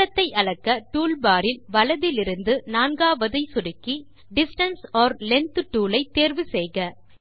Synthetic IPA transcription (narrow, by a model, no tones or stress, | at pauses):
ɐt̪ːɐɪʔɐɭɐkːɐʈuːlbaːɾɪlʋɐɭɐðɪlɪɾɯnd̪ɯnaːnɡaːʋɐðɐɪsʊɽɪkːi | ɖɪsʈɐnsoːɾlɛnt̪ɯʈːuːlɐɪt̪ːeːɾʋɯsɛjɣɐ